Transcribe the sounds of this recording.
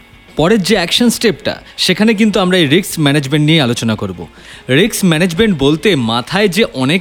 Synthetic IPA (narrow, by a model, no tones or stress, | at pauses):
pɔɾed͡ʑeɛkʃonsʈep̚ʈa̰ʃekʰanek̬int̪̬uamɾaejɾiksmɛned͡ʑmeɳʈnijealot͡ɕonakoɾbo̰ | ɾiksmɛned͡ʑmeɳʈbolt̪emat̪ʰaed͡ʑeʔɔnek